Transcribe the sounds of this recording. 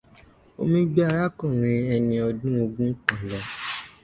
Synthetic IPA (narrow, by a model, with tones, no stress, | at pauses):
o̰˧mĩ˧ɡ͡bi˦a˧ɾa˦kɔ̃˦˨ɾ̃ĩ˧ɛ˧nĩ˧ɔ˧dũ˦o˧ɡũ˦k͡pã˨lɔ˨